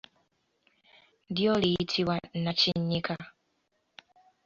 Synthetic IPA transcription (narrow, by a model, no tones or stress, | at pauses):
diɔliitʰiwan̩nat͡ʃiɲɲikʰa